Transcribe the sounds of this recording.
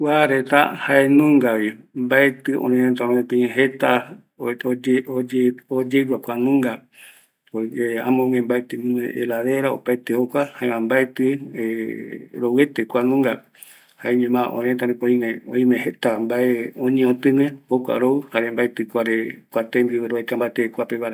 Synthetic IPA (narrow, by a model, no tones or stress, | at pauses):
kwaɾet̪a̰haenũŋɡawimbaet̪ɨʔõ̰ɾẽẽt̪aɾõĩpẽẽɦet̪a | od͡ʒeod͡ʒeɡapʷanũŋɡa | oeã̰mõŋẽmbaet̪emũḛ̃ʔeɾaðeɾao̰pajt̪ehokʷahaẽãmbaet̪ɨe | ɾowet̪ekʷanũŋɡa | haeɲẽmãʔõɾẽt̪aɾĩpoĩẽõĩmẽhet̪ambaeõɲẽõt̪ɨ̃ŋẽokʷa̰ɾouhaɾembaet̪ɨkʷaɾekʷat̪embieɾoet̪ambaet̪ekʷapeβaɾa